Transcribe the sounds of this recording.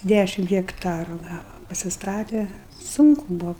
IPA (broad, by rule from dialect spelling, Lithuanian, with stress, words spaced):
ˈdʲæʃʲɪm ɣʲɛkˈtɑːrʊ ˈɡɑːʋɐ pɐsʲɪsˈtɑːtʲɛ ˈsʊŋkʊ ˈbuɔ